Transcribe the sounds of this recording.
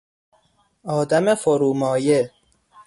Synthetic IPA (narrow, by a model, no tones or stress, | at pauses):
ɒːd̪æmefoɾuːmɒːje